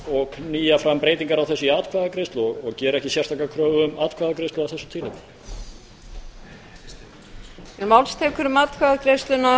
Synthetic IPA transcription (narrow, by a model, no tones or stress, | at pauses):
ɔɣniːjafɾampɾeːjt̪iŋkaɾawθɛsːʏaːt̪kʰvaðakɾejst̪lɔɣɔɣcɛːɾɛhcɪsjɛr̥t̪ʰaːkakʰɾœːvʏʏmaːt̪kʰvaðakɾest̪lʏawθɛsːʏ̥t̪ʰɪlɪp | ɛnmawlst̪ʰɛːkʏɾʏmaːt̪kʰvaðakɾest̪lʏna